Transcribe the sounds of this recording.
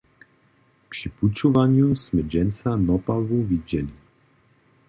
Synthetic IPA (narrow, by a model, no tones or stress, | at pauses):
pʃiput͡ʃuvaɲusmɛd͡ʒɛnt͡sanɔpavuviɟɛli